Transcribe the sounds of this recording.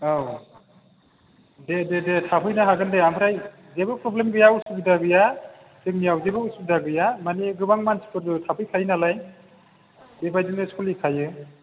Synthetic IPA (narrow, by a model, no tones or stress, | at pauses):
aw | dededetʰapʰɯjnaɦaɡɯndeamɯɾaj | zebɯpʰɾɔblemɡɯjausubidaɡɯja | sɯk̚nijawzebɯusubidaɡɯjamaniɡɯbaŋmansi̥kʰɯɾdutʰapʰɯjkʰajnalaj | debajdɯnɯskulikʰajɯ